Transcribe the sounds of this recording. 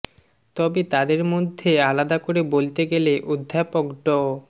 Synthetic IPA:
t̪ɔbet̪ad̪eɾmod̪ʱːealad̪akoɾebolt̪eɡeleʔod̪ʱːapokɖɔ

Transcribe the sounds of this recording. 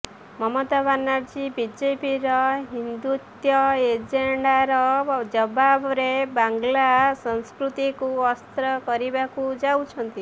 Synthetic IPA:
mʌmɔt̪aβanːaɾd͡ʒibid͡ʒepiɾɔɦind̪ut̪jʌed͡ʒeɳɖaɾɔd͡ʒʌbabɾebaŋɡlasɔnskɾut̪ikuɔst̪ɾɔkɔɾibakud͡ʒawt͡ʃʰʌnt̪i

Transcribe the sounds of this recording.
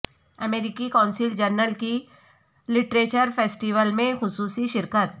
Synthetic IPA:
ɐmeːɾɪkikãːnsɪld͡ʒəɾnəlki | lɪʈɾeːt͡ʃəɾfʰeːsʈiʋəlmẽxʊsuːsiʃɪɾkət̪̚

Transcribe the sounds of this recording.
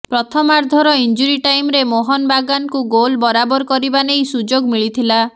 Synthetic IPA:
pɾɔt̪ʰɔmaɾd̪ʱɔɾɔind͡ʒuɾiʈajmɾemoɦɔnbaɡankuɡolbɔɾabɔɾkɔɾibanejsud͡ʒoɡmiɭit̪ʰila

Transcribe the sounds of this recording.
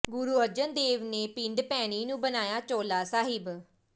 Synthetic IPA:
ɡʊɾuːəd͡ʒənd̪eːʋneːpɪ̃ɳɖpɛːɽ̃iːnũːbənaːjaːt͡ʃoːlaːsaːɦɪb

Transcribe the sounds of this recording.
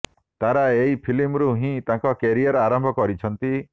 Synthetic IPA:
t̪aɾaeipʰilimɾuɦĩt̪ãŋkɔkeɾiɔɾaɾɔmbʱɔkɔɾit͡ʃʰɔnt̪i

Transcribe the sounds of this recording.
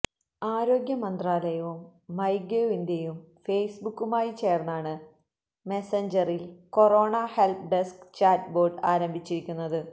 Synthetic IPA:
aːɾo̞ːɡjɐmɐnd̪raːlɐjɐʋumːɐjɡjeind̪jɐjumfe̞ːjsbukːumaːjit͡ɕe̞ːrnːaːɳɨ | meseɲd͡ʑɐrilko̞ro̞ːɳahelp̚ɖeskt͡ɕaːtbo̞ːrɖaːɾɐmbʱit͡ɕːiɾikʲːunːɐðɨ

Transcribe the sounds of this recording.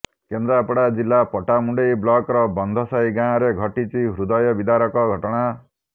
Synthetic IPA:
kend̪ɾapɔɽad͡ʒilːapɔʈamuɳɖejblɔkɾɔbɔnd̪ʱɔsajɡãɾeɡʱɔʈit͡ʃʰiɦɾud̪ɔjɔbid̪aɾɔkɔɡʱɔʈɔɽ̃a

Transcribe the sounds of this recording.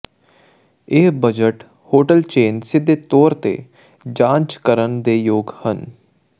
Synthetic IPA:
eːbəd͡ʒəʈ | hoːʈəlt͡ʃeːnsɪd̪ʱːet̪ɔːɾt̪ḛː | d͡ʒãːnt͡ʃkəɾənd̪eːjoːɡhən

